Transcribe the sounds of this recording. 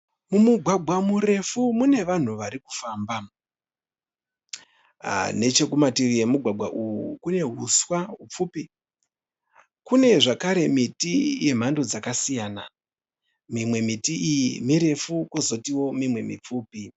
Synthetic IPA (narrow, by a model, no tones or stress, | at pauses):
mumuɡʱwaɡʱwamuɾe̞fumune̞ʋan̤uʋaɾiku̥faːmba | ne̞t͡ʃe̞kumatirijemuɡʱwaɡʱwaʔujukune̞ɦuswaɦup͡fupi | kune̞ʐakaɾe̞mitije̞m̤andod͡zakasijana | mimwe̞mitiijimiɾe̞fukozo̞tiwo̞mimwe̞mḭp͡fuːpi